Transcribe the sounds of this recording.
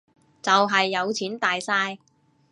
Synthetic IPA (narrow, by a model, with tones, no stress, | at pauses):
t͡sɐ˨wɦɐ˨jːɐ˨˧wt͡sʰiː˨˥nt̪aː˨jsaː˧j